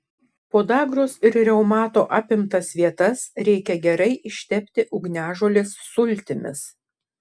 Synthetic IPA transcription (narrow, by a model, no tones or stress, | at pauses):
poːd̪ɑːɡɾoːsɪɾɾʲɛʊmɑːt̪oːʔɐpʲɪmt̪ɐsʋʲiɛt̪ɐsɾʲɛɪkʲɛɡʲɛɾɐɪʔɪʃʲt̪ʲɛpʲt̪ʲɪʔʊɡnʲæːʒoːlʲesːʊlʲˑt̪ʲɪmʲɪ̰s